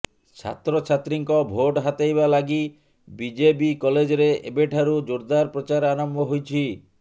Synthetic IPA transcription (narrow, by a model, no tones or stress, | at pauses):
t͡ʃʰa̰t̪ɾɔt͡ʃʰat̪ɾiŋkɔbʱoʈɦat̪ejbalaɡi | bid͡ʒepikɔled͡ʒɔɾeʔḛbeʈʰaɾud͡ʒoɾd̪aɾpɾɔt͡ʃaɾanɔmbɔɦojt͡ʃʰi